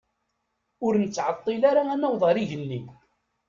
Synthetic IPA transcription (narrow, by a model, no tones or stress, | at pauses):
ʊɾnət͡sːʕɑt̪ˤːilaɾaænæwðˤɑɾiʝənːi